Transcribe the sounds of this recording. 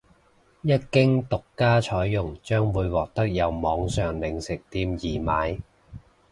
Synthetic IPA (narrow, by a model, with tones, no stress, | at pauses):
jɐ˥t̚kɪ˥ŋt̪ʊ˨kːaː˥t͡ʃʰɔː˨˥jːʊ˨˩ŋt͡ʃœː˥ŋwuː˨˧jwɔː˨k̚t̪ɐ˥k̚jɐ˨˧wmɔː˨˧ŋsœː˨ŋlɪ˨˧ŋsɪ˨k̚t̪iː˧mjiː˨˩maː˨˧j